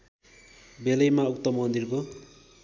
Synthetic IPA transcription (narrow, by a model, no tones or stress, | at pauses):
belʌjmaukt̪ʌmʌnd̪irko